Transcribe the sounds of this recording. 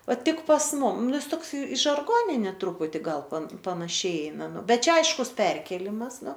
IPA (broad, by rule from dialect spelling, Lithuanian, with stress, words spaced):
ˈʋɐ tʲɪk pɐs ˈmʊm ˈnʊ ˈjɪs ˈtoːks ɪ ʒɐrˈɡoːnʲɪnʲeː ˈtrʊpʊtʲɪ ˈɡɐlˠ pɐn pɐnɐˈʃʲɛɪ ˈɛɪnɐ ˈbʲɛt ˈt͡ʃʲɛ ˈɐɪʃkʊs ˈpʲɛrʲkʲeːlʲɪmɐs ˈnʊ